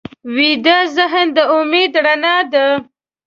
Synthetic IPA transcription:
wid̪əzəɦənd̪əʊmed̪ɽanad̪ə

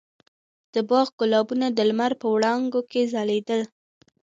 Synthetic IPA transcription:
d̪̥əbɑɣɡʊlɑbunad̪əlmaɾpəwɽɑŋɡokezaled̪əl

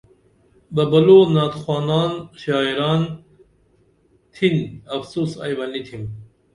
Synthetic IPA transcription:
bɐbɐloːnaːt̪xwaːnaːnɕaːiɾaːn | t̪ʰinɐfsusa̰jbɐnit̪ʰim

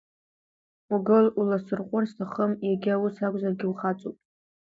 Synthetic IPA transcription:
uɡɨlulasɨrqʷʼʊrstʰaχəmjaɡʲɪawʊsakʷʼzarɡʲɪuχat͡sʼopʼ

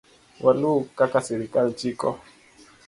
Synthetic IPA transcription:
wʔalukakasiɾikalt͡ʃikɔ

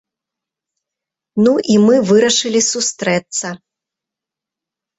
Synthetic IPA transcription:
nuʔimɨvɨɾɐʂɨlʲisust̪ɾɛt̪sɐ

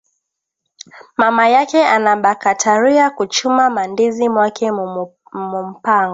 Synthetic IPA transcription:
mamajakɛanaɓakatʰaɾiakut͡ʃumamandizimwakɛ | mum̩paŋɡɔ

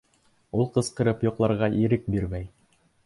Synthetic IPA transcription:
ulˠqɤ̆sqɤ̆ɾɤpjŏqlˠɑɾʁɑʔiɾɘk̚biɾmæj

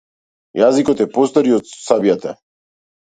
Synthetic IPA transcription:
jazikɔt̪ɛpɔst̪ɔɾiɔt̪sabjat̪a

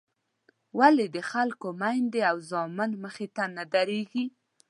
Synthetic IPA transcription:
waled̪əxalkomajnd̪eawzɑmɪnməxet̪anad̪aɾeɡi

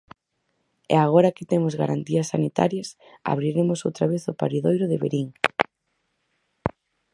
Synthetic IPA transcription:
ɛ̰aɣ̞ɔɾakɪt̪emʊzɣa̰ɾant̪iɐsːanit̪a̰ɾjɐs | a̰βɾiɾemʊsowt̪ɾaβeθʊpaɾiðojɾʊðɪβḛɾiŋ

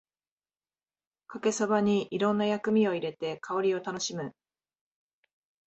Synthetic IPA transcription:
kake̞sabaɲ̟iʔiɾõ̞nːajakɯ̟mʲio̞iɾe̞t̪e̞kʰao̞ɾʲio̞t̪ano̞ɕimɯ̟

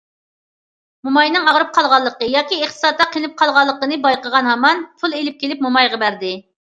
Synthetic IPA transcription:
mumɑjnɨŋɑʁɾɨp̚qʰɑlˠʁɑlˠːəqəjɑːkʲieχt̪ə̥sɑt̪ːɑqʰelɪp̚qʰɑlˠʁɑlˠːəqənɨbɑjqəʁɑnɦɑmɑnpʰulˠelɪp̚kʲʰelɪp̚mumɑjʁɑbæɾd̪ɪ

